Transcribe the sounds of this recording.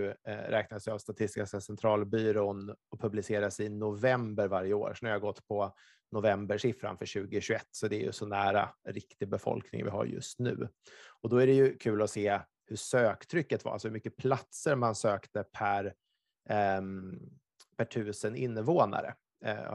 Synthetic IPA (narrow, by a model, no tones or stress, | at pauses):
ɾʔɛːknad̪əsɛavst̪at̪ʰɪst̪ɪkaskasɛnt̪ʰɾɑːlbyːɾoːnɔpʰɵblɪseːɾasɪnʊvɛmbəɾvaɾjəo̰ːɾʂnæɾɪhaɡɔt̪ːpʰɔ | nʊvɛmbəʂɪfɾa̰nfœɕʉ̟ːɡɪɕɵɛt̪ːsɔd̪ɛːɾjɵ̰sɔnæːɾa̰ɾɪkt̪ɪɡ̚bɛfɔ̰lknɪ̰ŋvɪ̰ɦa̰ɾjɵ̰st̪nʉ̟ːɔd̪ɔæɖɛjɵkʰʉ̟ːlɔseː | hɵʂøːkt̪ʰɾʏkːət̪va̰a̰lsɔhɵmʏkːəpʰlat̪səɾmansøːkt̪əpʰæɾ | pʰæʈʰʉ̟ːsənɪnːəvoːna̰ɾə̰